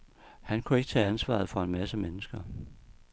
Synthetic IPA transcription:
hænkʰueɡə̥t͡sʰɛ̰ːænsʋɑ̰̈ð̞̩ˠfɒ̽e̝nmæsəmenəsɡ̥ɐ

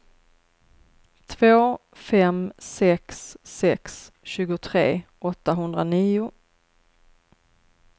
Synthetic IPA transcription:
t̪ʰvoː | fɛmsɛksːɛks | ɕʉ̟ːɡʊt̪ʰɾḛːʔɔt̪ːaɦɵnd̪ɾaniːʊ

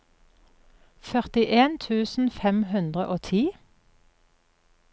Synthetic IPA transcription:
fœʁt̪ɪʔeːnt̪ʰʉːsn̩fɛmhʉnd̪ʁəʔoːt̪ʰiː

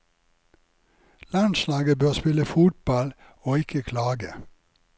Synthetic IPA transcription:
lɑnslɑːɡəbøːʁspɪləfuːt̪̚bɑl | oːɪkʰəkʰlɑːɡə

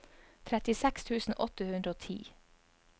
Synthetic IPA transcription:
t̪ʰɾɛt̪ɪsɛkst̪ʰʉːsn̩ʔɔt̪əhʉnd̪ɾəoːt̪ʰḭː

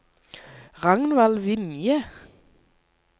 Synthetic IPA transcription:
ʁɑŋnʋɑlʋɪnjə

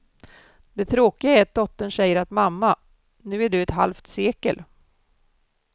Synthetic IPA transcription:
d̪ɛt̪ʰɾoːkɪaæɾat̪̚d̪ɔt̪ːənɕɛjːəɾat̪mamːa | nʉ̟ːæɖɵɛt̪ɦa̰lft̪seːkə̰l

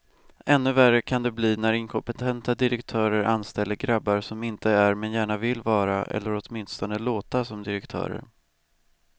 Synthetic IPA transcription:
ʔɛnːɵværːəkʰand̪ɛbliːnæɾɪŋkʰɔmpɛt̪ʰɛnt̪ad̪ɪɾɛkt̪ʰœːɾəɾanst̪ɛlːəɾɡɾabːaɾsɔmɪnt̪ʰəæɾmɛnjæːɳavɪlːvɑːɾaʔɛ̰lːəɾɔt̪mɪnst̪ɔnəloːt̪asɔmd̪ɪɾɛkt̪ʰœ̰ːɾə̰ɾ

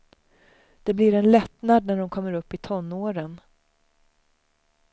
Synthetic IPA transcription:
d̪̥ɛblɪɾɛnlɛt̪nad̪næɖɔmkʰɔmːəɾɵpːɪt̪ʰɔnːoːɾən

